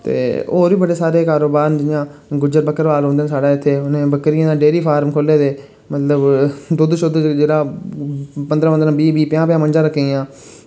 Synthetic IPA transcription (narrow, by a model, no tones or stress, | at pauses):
t̪ḛːo̰ːɾiːbəɽeːsaːɾeːkaːɾoːbaːɾnd͡ʒjãːɡʊd͡ʒəɾbəkːəɾʋaːlɦõːnd̪eːãsaːɽaːɪt̪ʰːeːʊnẽːbəkɾɪjãːd̪aːɖeːɾiːpʰaːɾmkʰoːleːd̪eː | mət̪ləbd̪ʊd̪ʃʊd̪d͡ʒeːɽaː | pənd̪ɾãːənd̪ɾãːbiːbiːpɪjãːpɪjãːməɲd͡ʒãːɾəkʰːeːjãː